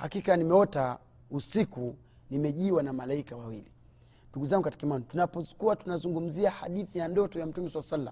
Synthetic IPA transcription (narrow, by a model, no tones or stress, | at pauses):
ha̰kikanimɛɔta | usiku | nimɛʄiwanamalaikawawili | nduɡuzaŋɡukati̥kɛmantunapɔsu̥kuatunazuŋɡum̩ziaha̰ɗiθijandɔtɔjam̩tumɛswalasalːa̰m